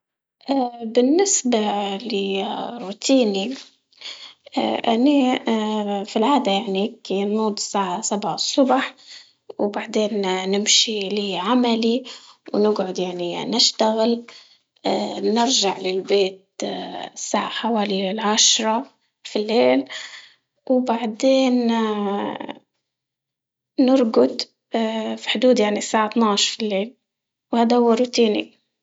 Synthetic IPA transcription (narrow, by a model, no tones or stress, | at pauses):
ʔabɪnːɪsbalɪɾˤːuːt̪ʰiːni | ʔani | filʕaːd̪ajaʕnikennuːd̪ˤsaːʕasabʕasˤːʊbħ | wbaʕd̪eːnnɪmʃiliːʕamaliwnɪɡʕʊd̪jaʕninɪʃt̪aɣɪl | nɪɾʒaʕlɪlbeːt̪̚ | sːa̰ːʕaħawaːliɪlʕaʃɾˤɑ | filːeːl | wbaʕd̪eːn | ɪɾɡʊd̪ | fi̥ħʊd̪uːd̪jaʕnisaːʕat̪naːʃfilːeːl | whaːd̪ahʊwːaɾut̪iːnḭ